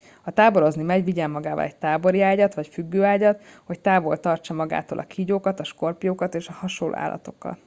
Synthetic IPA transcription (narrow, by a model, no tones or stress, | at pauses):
ɒt̪aːbo̞ɾo̞znimɛɟʋiɟɛmːɒɡaːvɒ̰lɛc̚t̪aːbo̞ɾiaːɟɒt̪ʋɒcfyɡːøːaːɟɒt̪ho̞ct̪aːbo̞lt̪ɒrt͡ʃɒmɒɡa̰ːt̪o̰ːlɒ̰kʰiːɟoːkɒt̪ɒʃko̞rpjoːkɒt̪eːʃɒhɒʃolʔo̰a̰ːlːʔɒ̰t̪o̞̥kːɒ̰t̪